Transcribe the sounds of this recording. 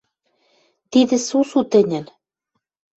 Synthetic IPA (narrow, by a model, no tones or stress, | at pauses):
t̪id̪ɘ̆susut̪ɘ̆nʲɘ̆n